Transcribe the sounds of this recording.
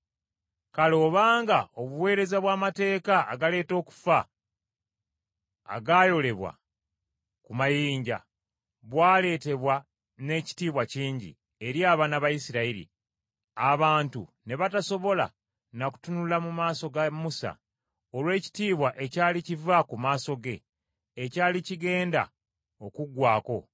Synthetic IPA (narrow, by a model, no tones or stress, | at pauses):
kalo̞ːβaːŋɡao̞βuwe̞ːɾe̞zaβwaːmate̞ːka̰ːɡale̞ːto̞ːku̥fa | ɡajo̞le̞βwa̰ | kumajiːɲɟa̰ | βwaːle̞ːte̞βwa | ne̞ːci̥tiːβwaciːɲɟḭ | e̞ɾjaːβanaβajisiɾaiɾḭ | aβaːntṵne̞βataso̞βo̞la̰ | naku̥tunulamumaːso̞ɡamusa̰ | olwe̞ːci̥tiːβwaʔe̞caːlicivakumaːso̞ɡe̞ː | caːliciɡe̞ːnda̰ | o̞kuɡwaːko̞